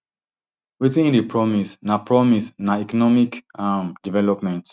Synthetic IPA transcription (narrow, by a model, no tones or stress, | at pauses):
witĩñndipɹɔmisnapɹɔmisnaɛkɔnɔmikamdivɛlɔpmɛ̃nt